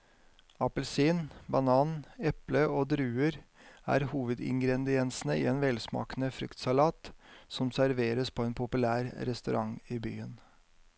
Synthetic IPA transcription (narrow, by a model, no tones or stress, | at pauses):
ɑpəlsiːnbɑnɑːnɛpləoːd̪ɾʉːəɾæ̰ːɾhuːʋəd̪ɪ̰ŋɡɾɛnd̪ɪɛnsn̩əɪ̰ːeːnʋɛlsmɑ̰ːkənəfɾʏ̰kt̪sɑlɑːt̪sɔmsæɾʋeːɾəspʰɔːeːnpʰʊpʉlæːɾɾɛst̪ʉɾɑŋiːby̰ːən